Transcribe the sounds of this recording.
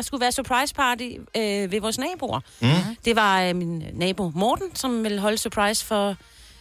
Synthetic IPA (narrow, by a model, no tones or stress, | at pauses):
ɑ̈sɡ̥uʋæːɐsyɐpʰʁɑ̈ɪspʰɑ̈ːd̥iøʋe̝ʋɒːsnɛ̰ːb̥o̝̰ɐ | d̥e̝ʋɑ̈minnɛ̰ːb̥o̝mɒːd̥n̩sɒ̽mʋe̝lɦɒ̽ləsøɐpʰʁɑ̈ɪsfɒ̽